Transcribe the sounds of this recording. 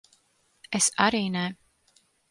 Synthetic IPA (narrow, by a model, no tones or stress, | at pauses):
esaɾiːnɛ